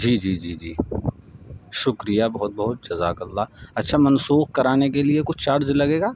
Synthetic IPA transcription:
d͡ʒiːd͡ʒiːd͡ʒiːd͡ʒḭː | ʃʊkɾijabɐɦʊt̪̚bɐɦʊt̪̚d͡ʒɐza̰ːkɐlːaːɐtːʃʰamɐnsuːxkɐɾaːnekeliekʊt͡ʃʰt͡ʃaːɾzlɐɡeːɡaː

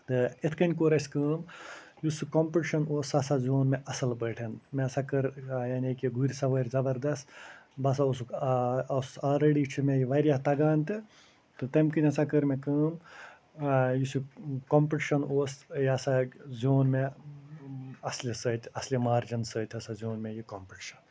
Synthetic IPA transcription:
t̪ɨet̪ʰkɐnʲkoːɾɐsʲkəːmjusukompiʈʃɐnoːsɐsazʲoːnmeʔɐsɐlbəːʈʰɐnmesɐkɐɾjaːnʲekiɡuɾʲsɐʋəːɾʲzɐbɐɾd̪ɐst̪bɐs̬aus̬ukɐsalɾeɽiːt͡ʃʰumejiʋɐɾʲjaːt̪ɐɡaːnt̪ɨ | t̪ɨt̪ɐmkinʲɐsakəɾmekəːm | jusukompɾɐʈʃɐnoːsjɐsazʲoːnme | ɐslʲisəːt̪ʲɐslʲimaːɾd͡ʒɐnsəːt̪ʲɐsazʲoːnmejikɐmpɾɐʈʃɐn

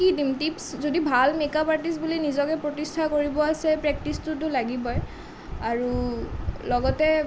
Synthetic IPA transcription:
kidimtipszodibʱalmekapaɹtis̬bulinizɔkɛpɹotistʰakoɹibɔasɛpɹɛk̚tistʊtʊlaɡibɔj | aɹu | lɔɡɔtɛ

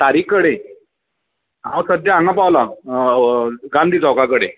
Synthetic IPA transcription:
t̪aɾiːkːəɽe | awə̃səd̪jaãŋɡapawla | ɡãnd̪ʱiːt͡sɔwkakəɽe

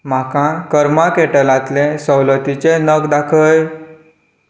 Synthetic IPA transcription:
m̤akãkəɾmãkeʈəlãt̪lẽsəwlət̪it͡ɕenəkd̪akʰəj

